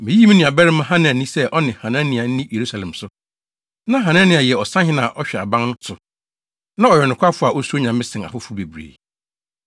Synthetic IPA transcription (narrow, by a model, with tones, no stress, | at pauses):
mɪ̃˨ji˦mɪ̃˦nɪ̃˨a˨bɛ˦ɾɪ˦mã˦ɦã˦nɪ̃˨æ˨nĩ˦sɛ˦ʔɔ˦nɪ̃˨hã˨nã˦nɪ̃˨a˨n̩˦nĩ˦je˨ɾu˦sa˨lɛ̃˨msʊ˦ | nã˦ɦã˨nã˦nɪ̃˦a˨jɛ˨ɔ˨sã˦hɪ̃˦nã˨ʔɔ˦ɕᶣɛ˨a̰˨bã˦ŋnʊ̃˦tʰʊ˨ | nã˦ɔ˨jɛ˨nʊ̃˨kʰʷa˦fʊ˦a˨ʔo˦su˦o˦ɲã˨mː˦ɪ̃˦sɪ̃˨na̰˨fʊ˦fʊ˦be˨bɾḛ˨